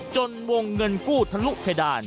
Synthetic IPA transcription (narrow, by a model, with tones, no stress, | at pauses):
t͡ɕo˧nwo˧ŋːɤ˧nkuː˥˩t̪ʰa˧lu˦˥ʔ̚pʰa˧jdaː˧n